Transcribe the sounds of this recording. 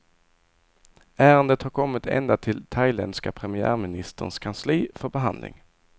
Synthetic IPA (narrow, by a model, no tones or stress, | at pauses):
æːɾənd̪ət̪haɾkʰɔmːɪt̪ɛ̰nd̪at̪ʰɪlt̪ʰajlɛ̰nd̪skapʰɾɛmɪæ̰ːɾmɪnɪst̪ə̰nskʰansliːfœɾbɛɦa̰nd̪lɪ̰ŋ